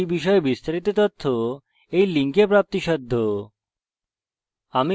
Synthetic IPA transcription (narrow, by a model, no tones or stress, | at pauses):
ibiʃɔebist̪aɾit̪ot̪ot̪ʰːo | ejliŋkepɾap̚t̪iʃɔd̪ʱːo | ami